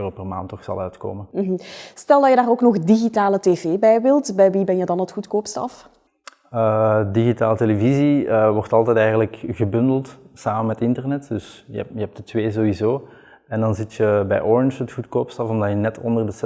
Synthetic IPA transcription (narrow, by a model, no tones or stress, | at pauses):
ropɛrma̰ːntɔxsɑ̰lœɥtko̰ːmənm̩ɦ̩stɛlˠdɑjədaːɾoːknɔxdiɣitaːləteːveːbɛjʋɪlˠtbɛjʋibɛnjədɑnətxutkoːpstɑ̰f | ədiɣitaːləteleviziəʋɔrtɑlˠtɛjtɛjɣənələkɣəbɵndəlˠtsaːmənmɛtɪntərnɛtdɵsjə̰jəɛp̚dətʋeːzoːwizoː | ɛndɑnzɪtjəbɛ̰jʔɔɹɪnʒətxutkoːpstɑfɔmdɑjənɛtʰɔ̰ndərdəs